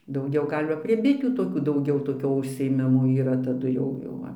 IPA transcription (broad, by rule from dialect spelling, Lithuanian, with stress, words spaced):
dɐʊˈɡʲɛʊ ˈɡɐlʲ ʋɐ pʲrʲiɛ ˈbʲɪtʲuː toːˈkʲuː dɐʊˈɡʲɛʊ toːˈkʲoː ʊʃʲsʲɪeːˈmʲɪmoː iːˈrɐ tɐˈdʊ jɛʊ ˈjɛʊ ʋɐ